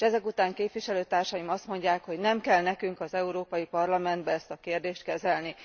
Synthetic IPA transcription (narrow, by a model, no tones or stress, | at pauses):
ʃɛzɛkut̪aːŋkeːpʋiʃɛløːt̪aːrʃɒjimɒst̪mo̞ɲɟaːkho̞ɟnɛmkɛlnɛkyŋkɒzɛuɾoːpɒjipɒrlɒmɛnd̪bɛɛst̪ɒkeːrd̪eːʃt̪kɛzɛlni